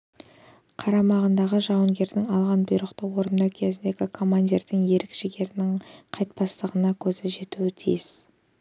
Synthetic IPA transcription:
qʰɑɾɑmɑʁənd̪ɑʁəʒɑwəŋɡʲe̞ɾd̪ɪŋɑlˠʁɑnbʊjɾəqt̪əwo̞ɾnɑkʲʰe̞zɪnd̪e̞ɡʲɪkʰo̞mand̪ʲeɾd̪ɪŋje̞ɾɪkʃɪɡʲe̞ɾɪnɪŋqʰɑjt̪̚pɑst̪əʁənɑkʲʰɵzɪʒe̞t̪uwɪt̪ʰḭjɪs

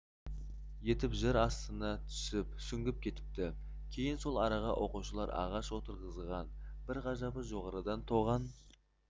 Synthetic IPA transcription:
je̞t̪ɪpʒɪɾɑst̪ənɑt̪ʰʏ̥sɪpsʏŋɡʲɪp̚kʲʰe̞t̪ɪ̥p̚t̪ɪ | kʲʰe̞jɪnso̞lˠɑɾɑʁɑʔo̞quʃəlˠɑɾɑ̰ʁɑʃwo̞t̪əɾʁəzʁɑnb̥ɪɾʁɑʒɑbəʒo̞ʁɑɾəd̪ɑnt̪ʰo̞ʁɑn

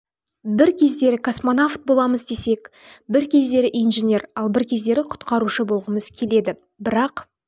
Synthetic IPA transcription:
bɪɾkʲʰe̞zd̪e̞ɾɪkʰosmonaft̪̚bo̞lˠɑməzd̪e̞se̞kbɪɾkʲʰe̞zd̪e̞ɾɪʔijnʒenʲe̞ɾɑlˠbɪɾkʲʰe̞zd̪e̞ɾɪqʰʊ̥t̪qɑɾuʃəbo̞lˠʁəməz̥kʲʰe̞le̞d̪ɪ | bɪɾɑq

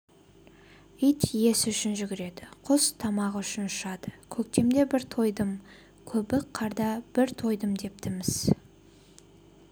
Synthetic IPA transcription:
ijt̪je̞sɪʏʃɪnʒʏɡʲɪɾe̞d̪ɪqʰʊst̪ʰɑmɑʁʏʃɪnʃɑd̪əkʲʰɵk̚t̪e̞md̪e̞bɪɾt̪ʰo̞jd̪əm | kʲʰɵbɪqʰːɑɾd̪ɑb̥ɪɾt̪ʰo̞jd̪əmd̪e̞p̚t̪ɪmɪz̥

